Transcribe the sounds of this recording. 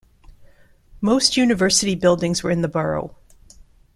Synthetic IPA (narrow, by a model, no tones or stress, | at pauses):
moʊst̚jʉnɨvɜ˞sɨɾibɪlˠdɪ̃ŋzwə˞ɨ̃nðəbɜ˞o̰ʊ